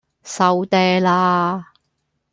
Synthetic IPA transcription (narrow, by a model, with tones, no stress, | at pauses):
sɐ˨˧wt̪ɛː˧laː˧